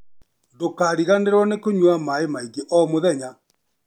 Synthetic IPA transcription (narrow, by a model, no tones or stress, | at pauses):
dokaɾiɣaneɾwanekoɲwamaemaiɡeʔɔmoðɛɲa